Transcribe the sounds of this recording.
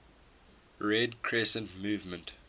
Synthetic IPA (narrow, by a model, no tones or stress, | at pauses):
ɹɛdkʰɹɛsə̃ntmuːvmə̃nt